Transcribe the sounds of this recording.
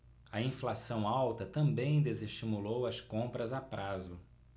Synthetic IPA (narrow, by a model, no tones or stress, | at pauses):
ɐĩflasɐ̃w̃awt̪ɐt̪ɐ̃mbẽj̃d̪ezeʃt͡ʃimulowɐskõpɾɐzapɾazʊ